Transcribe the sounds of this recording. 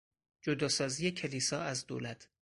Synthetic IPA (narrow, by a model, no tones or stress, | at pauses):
d͡ʒod̪ɒːsɒːzijecʰeliːsɒːæzd̪oːlæt̪ʰ